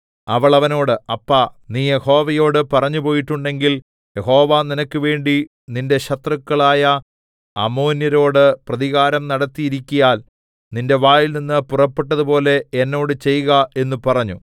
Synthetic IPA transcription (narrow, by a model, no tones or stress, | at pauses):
ɐʋɐɭɐʋɐno̞ːɽɨɐpːɐniːje̞ho̞ːʋɐjo̞ːɽɨpɐrɐɲːupo̞ːjiʈːuɳɖe̞ŋɡil | je̞ho̞ːʋaːninɐkʲːɨʋe̞ːɳɖi | ninde̞ɕɐt̪rɐkːɐɭaːjɐ | ɐmo̞ːnjɐɾo̞ːɽɨprɐðiɣaːɾɐmnɐɽɐt̪ːijiɾikʲːujaːl | ninde̞ʋaːjilninːɨpurɐpːiʈːɐðupo̞ːle̞enːo̞ːɽɨt͡ɕe̞jːuɣɐe̞nːupɐrɐɲːu